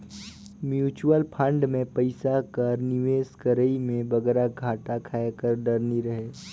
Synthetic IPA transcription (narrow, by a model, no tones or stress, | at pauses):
mjuːt͡ʃuəlpʰə̃ɳɖmẽpɐɪsakɐɾnɪʋeːskəɾəimẽbɐɡɛːɾaɡʱaːʈakʰaːekəɾɖɐɾniɾɐɦeː